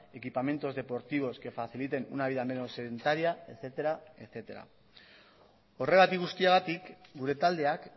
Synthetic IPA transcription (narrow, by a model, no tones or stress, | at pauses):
e̞kipame̞nt̪o̞zðe̞po̞ɾt̪iβ̞o̞ske̞faθilit̪e̞nunaβiðame̞nose̞ðe̞nt̪aɾiae̞θe̞t̪e̞ɾae̞θe̞t̪e̞ɾa̰ | o̞re̞ɣat̪iɣust̪iaɣ̞at̪ikɡuɾe̞t̪ald̪e̞ak